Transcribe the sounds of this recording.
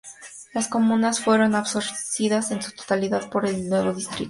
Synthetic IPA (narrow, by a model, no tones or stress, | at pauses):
lasko̞mũnasfwe̞ɾo̞naβso̞ɾsiðase̞nsu̥t̪o̥t̪aliðaðpo̞ɾe̞lnwe̞βo̞ðist̪ɾḭt̪o